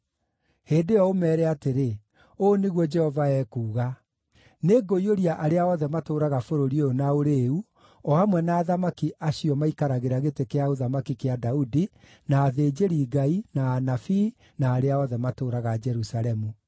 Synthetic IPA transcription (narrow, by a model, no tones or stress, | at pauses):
heːndejɔomɛːɾɛateɾe | oneɣwɔd͡ʒɛhɔvaɛːkuːɣa | neɡoioɾjaʔaɾeaɔːðɛmatoːɾaɣafoɾoɾioonaoɾeu | ɔamwɛnaːðamakiʔaɕiɔmaikaɾaɣeɾaɣetekeaoðamakikeadaudi | naːðeːd͡ʒeɾiːɡainaːnafi | naːɾeaɔðɛmatoːɾaɣad͡ʒɛɾusaɾɛmu